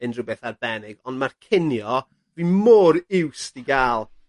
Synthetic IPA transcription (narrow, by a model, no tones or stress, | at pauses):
ənrʊbɛθarbɛnɪɡɔndmarkʰɪnjɔ | rimɔːɾɪwsdiɡaːlˠ